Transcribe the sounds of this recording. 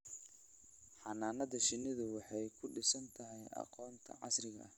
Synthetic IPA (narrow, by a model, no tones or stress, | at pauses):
ħɑnaːnɐðɐʃɪnːɪðʊwɑħɑjkʰʊɖɪsɐnt̪ʰɐɦɛjʔɑ̰qɔːnt̪ʰɐ̰ʕɑ̰srɪɣɐ̰ʔɐh